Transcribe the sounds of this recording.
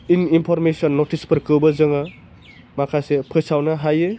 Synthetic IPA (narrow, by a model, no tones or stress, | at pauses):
ininpʰɔɾmesɔnːotʰispʰɯɾkɯwbɐzɯŋa | makʰajsepʰɯsawnaɦaje